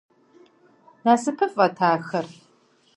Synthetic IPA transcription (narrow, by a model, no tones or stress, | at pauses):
naːsɨpʰɨfʼɐtʰaːxɐr